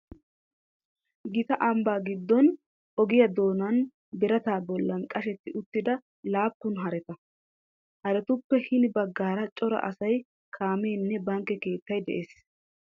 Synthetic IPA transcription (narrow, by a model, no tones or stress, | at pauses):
ɡɪt̪ɐʔɐmbaːɡɪd̪ːɔn | ʔɔɡɪjɐd̪o̞ːnɐn | bɪɾɐt̪aːbɔlːɐnkʼɐʃɛt̪ːɪʔʊt̪ːɪd̪ɐ | laːpːʊnɦɐɾɛt̪ɐ | hɐɾɛt̪ʊpːɛhɪnɪbɐɡːaːɾɐt͡ʃʼɔɾɐ̰ʔɐ̰sɐj | kʰaːmeːnːɛbɐŋkːɛke̞ːt̪ːɐjd̪ɛʔe̞ːs